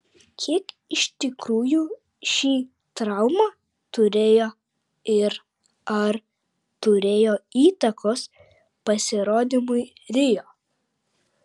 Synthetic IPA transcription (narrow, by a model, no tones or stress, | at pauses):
kʲʰiɛk | ɪʃʲt̪ʲɪkɾuːjuː | ʃʲiː | t̪ɾɐʊmɑː | t̪ʊɾʲeːjoː | ɪɾ | ɐɾ | t̪ʊɾʲeːjoːiːt̪ɐkʰoːs | pɐsʲɪɾoːd̪ʲimʊɪɾʲɪjoː